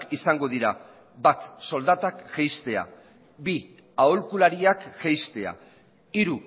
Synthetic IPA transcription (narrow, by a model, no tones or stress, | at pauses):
kisaŋɡo̞ðiɾa | bat̪so̞ld̪at̪akʝejst̪e̞a̰ | bi | aolkulaɾiakʝejst̪e̞a̰ | iɾu